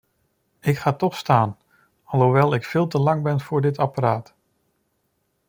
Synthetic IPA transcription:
ɪkχaːtɔχstaːn | ɑlˠɦuʋɛlˠɪkfɪːlˠtəlɑŋbɛnv̥ʊːɹdɪtɑpaɾaːt

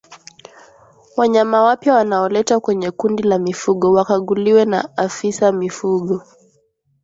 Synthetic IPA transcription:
waɲamawapjawanaɔlɛtakwɛɲɛkundilamifuɠɔwakaɠuliwɛna̰afisamifuɠɔ

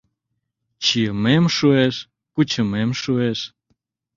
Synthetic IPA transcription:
t͡ɕiəmemʃueʃ | kut͡ɕəmemʃueʃ

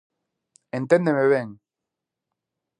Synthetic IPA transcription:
ẽnt̪end̪emeβeŋ

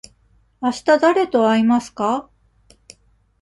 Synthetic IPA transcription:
aɕi̥t̪ad̪aɾe̞t̪o̞aimasɨ̥ka

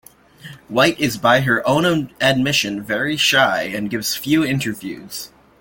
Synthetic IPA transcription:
waɪɾɪzbaɪə˞ʔõʊ̃nəɨd̚mɪʃɨ̃nvɛɹiʃaɪɨ̃nɡɪvz̥fjʉɪ̃ntə˞vjʉ̰z̥

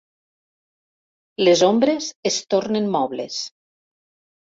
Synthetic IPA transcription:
lezombɾezest̪oɾnenmɔβlḛs

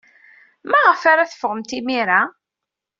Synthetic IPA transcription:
mæʁəfaɾaθə̥fəʁəmt̪imiɾa

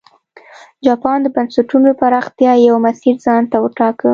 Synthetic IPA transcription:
d͡ʒɑpɑnd̪əbansɪʈunopaɾɑxt̪jɑjawmasiɾzɑnt̪awəʈɑkə

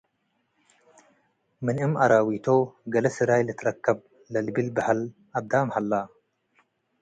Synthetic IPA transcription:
mɨnɨmʔaɾawit̪ʰoɡɐlɐsɨɾajlɨt̪ʰɨɾɐkʰːɐb | lɐlbilbahalʔad̪amhalːa

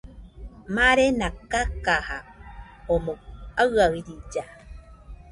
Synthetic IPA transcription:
maɾenakːakaha | omoaɣaiɾid͡ʒa

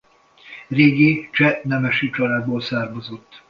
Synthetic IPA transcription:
reːɡit͡ʃɛnɛmɛʃyːt͡ʃɒlaːd̪̚boːlsaːrmozot̪ː

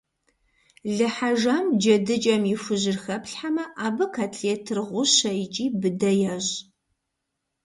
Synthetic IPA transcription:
ɮɨħaʒɐmd͡ʒɐdɨt͡ʃʼɐmjɪfʷʊʑɪrxɐpɬħamɐʔaːbɨkʰatʰɬetʰɨrʁʷʊɕɐjɪt͡ʃʼiːbɨdɐjɐʑ

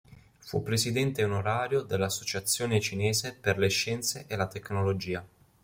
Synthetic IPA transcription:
fṵpːɾesid̪ɛnt̪eunoɾaːɾjod̪elːasːot͡ʃat̪sːjoːnet͡ʃineːzeperleʃːɛnt̪seʔelat̪ekːnolod͡ʒiːa

